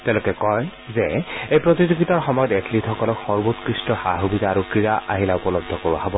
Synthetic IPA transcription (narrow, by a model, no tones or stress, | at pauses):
tɛʊ̃lɛkɛkɔj | zɛejpɹotizoɡitɔɹxɔmɔjɔtetlitxɔkɔlɔkxɔɹbotkɹistɔxaɦubidʱaːɹukɹijaʔa̰ɦilaʊpɔlɔbdʱɔkoɹa̰ɦobɔ